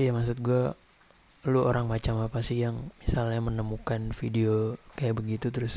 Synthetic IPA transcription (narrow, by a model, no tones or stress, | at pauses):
jamaks̬ʊt̪̚ɡua | luo̰ɾaŋmat͡ʃamapasɪjaŋmisalɲamənəmukanfideokajaʔbəɡit̪ut̪əɾʊs